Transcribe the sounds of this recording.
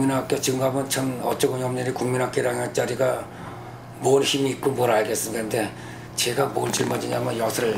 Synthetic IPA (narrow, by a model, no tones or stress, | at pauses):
minɦak͈et͡ɕɯŋɡamɯnt͡ɕʰʌnʌt͡ɕ͈ʌɡɯɲʌmɲɯɾikuŋminɦak͈eɾaŋat͡ɕ͈aɾiɡa | monçimiːk̚k͈omʌɾaɭɡes͈ɯnɡande̞ | t͡ɕe̞ɡamont͡ɕiɭmad͡ʑiɲamʌnjʌsʰʌɾɯɭ